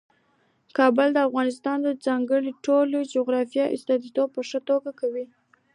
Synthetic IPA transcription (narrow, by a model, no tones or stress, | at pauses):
kɑbʊld̪əafɣɑnɪs̬t̪ɑnd̪əd͡zɑŋɡəɽiʈolod͡ʒoɣɾɑfjɑʔɪst̪ɑd̪it̪ob̚pəʂət̪oɡakawi